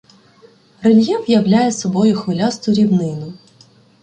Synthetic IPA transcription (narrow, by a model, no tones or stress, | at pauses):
relʲjɛwjɐwlʲajɛsɔbɔjʊxʋɪlʲast̪ɔɾʲiwnɪnʊ